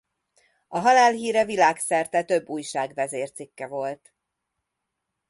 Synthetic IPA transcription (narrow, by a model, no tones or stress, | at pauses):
ɒɦɒlaːlɦiːɾɛvilaːksɛrt̪ɛt̪ø̞bːuːjʃaːɡvɛzeːrt̪sikːɛvo̞lt̪